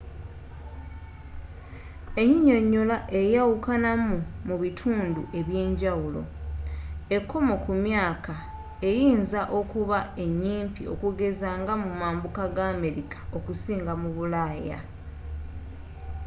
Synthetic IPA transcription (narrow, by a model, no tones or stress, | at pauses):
e̞ɲiɲo̞ɲːo̞laʔe̞jawukanamumuβitʰuːndṵʔe̞βje̞ːɲɟawulo̞̰ | e̞kʰːo̞mo̞kumjaːka | e̞jiːnzaʔo̞kuβae̞ɲːiːmpio̞̰kuɡe̞zaːŋɡamumaːmbukaɡaːme̞ɾikḁo̞kusiːŋɡamuβulaːja̰